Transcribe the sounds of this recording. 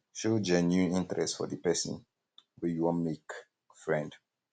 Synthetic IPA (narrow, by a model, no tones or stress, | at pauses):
ʃod͡ʒənjuĩntɹɛstfɔ̰ðəpɛsə̰̃n | wɛjuwɔ̃nmek | fɹɛ̃nd